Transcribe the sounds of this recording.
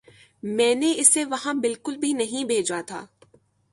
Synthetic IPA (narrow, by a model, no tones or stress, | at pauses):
mɛ̃ːneɪsːeʋɐɦãbɪlkʊlbʱinɐɦĩbʱeːd͡ʒat̪ʰa̰ː